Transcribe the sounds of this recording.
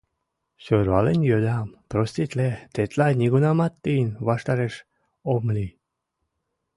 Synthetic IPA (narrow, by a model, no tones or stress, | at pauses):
ɕoɾβalenʲjolʲampɾosʲt̪ʲit̪ʲlet̪et̪lajnʲiɡunamat̪ːijnvaʃt̪aɾeʃ | omlʲi